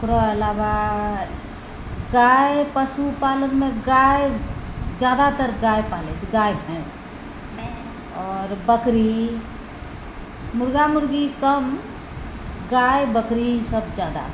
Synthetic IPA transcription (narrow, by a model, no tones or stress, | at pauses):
kɾɔəlaʋa | ɡajpəsupalənmeɡaj | d͡ʒad̪at̪əɾɡajpaled͡ʒɡajbʱɛ̃s | ɔɾbəkɾi | muɾɡamuɾɡikəm | ɡajbəkɾisəbd͡ʒad̪a̰